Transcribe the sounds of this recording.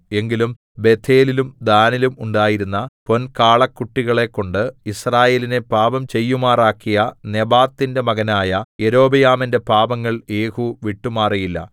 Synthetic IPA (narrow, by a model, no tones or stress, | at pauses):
e̞ŋɡilum | be̞t̪ʰːe̞ːlilumd̪aːnilumuɳɖaːjiɾunːɐpo̞nkaːɭɐkːuʈːiɣɐɭe̞kːo̞ɳɖɨisraːje̞ːline̞paːbɐmt͡ɕe̞jːumaːraːkːijɐne̞baːt̪ːinde̞mɐɣɐnaːjɐje̞ɾo̞ːbɐjaːminde̞paːbɐŋːɐɭje̞ːhuʋiʈːumaːrijilːɐ̰